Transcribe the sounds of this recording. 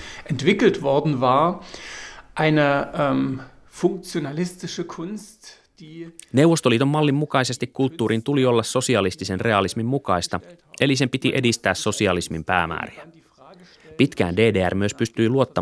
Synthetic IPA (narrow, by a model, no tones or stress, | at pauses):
ʔɛntv̥ɪkl̩tv̥ɔɐdn̩vaːɐ | ʔaɪnəʔmfʊŋk̚t͡sjonalɪstɪʃəkʰʊnst | d̥iːne̞wʋo̞st̪o̞liːt̪o̞mːɑlːimːukɑjse̞st̪ikkult̪ːuːɾint̪ulio̞lːɑsːo̞siɑlist̪ise̞nrʔe̞ɑlismimːukɑjst̪ɑ | ʔe̞lis̬e̞mpit̪iʔe̞dist̪æːsso̞siɑlismimpæ̰ːmæ̰ːɾiæ | pit̪k̟æ̰ːnde̞ːdeːæ̰rmyø̞spyst̪yiluo̞t̪ːɑ